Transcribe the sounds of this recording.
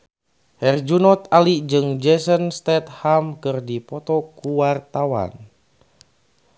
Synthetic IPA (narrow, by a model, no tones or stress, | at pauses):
hɛrd͡ʒunɔt̪alid͡ʒɨŋd͡ʒɛsənst̪ɛt̪̚hamkɨrdipɔt̪ɔkuwart̪awa̰n